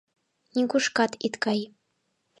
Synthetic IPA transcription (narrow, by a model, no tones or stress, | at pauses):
nʲiɡuʂkɑt̪it̪kɑj